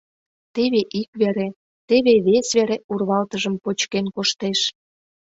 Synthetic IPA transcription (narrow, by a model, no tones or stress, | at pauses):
t̪eβeʔikβeɾe | t̪eβeβesβeɾeurβɑlt̪əʒəmpot͡ɕkenkoʃt̪eʃ